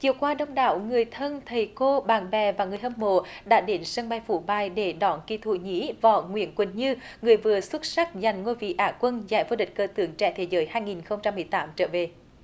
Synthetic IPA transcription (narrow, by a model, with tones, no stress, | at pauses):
t͡ɕi˨˧˨əwkwaː˧ɗə˧wŋ͡mɗa̰ː˧˦wŋɨ˨˩əjt̪ʰə˧nt̪ʰə˨˩jko˧ɓaː˨˩ŋɓɛ˨˩vaː˨˩ŋɨ˨˩əjʔə˧mmo̰˧˨ɗa̰ː˧˥ɗe˨˦nsə˧ŋɓa˧jfṵ˧˦ɓa˧˩jɗe˧˩ɗɔ˨˩˦nkḭ˧˩t̪ʰṵ˧˨ɲḭ˧˥vɔː˨˩ŋwḭ˧˥ənkwə˧˩nɲɨ˧ŋɨ˨˩əjvɨ˨˩əswə˦˥t̚sa˦˥k̚za˨˩jŋ̟ŋo˧jvḭ˧˨ʔaː˨˩kwə˧nza̰ː˧˩jvo˧ɗï̟˨˩kəː˧t̪ɨ˨˦əŋt͡ɕɛ̰˧˥t̪ʰe˨˦zəː˨˦jhaː˧jŋi˨˩nxə˧wŋ͡mt͡ɕa˧mːɨ˨˩əjt̪aː˨˦mt͡ɕəː˧˦ve˨˩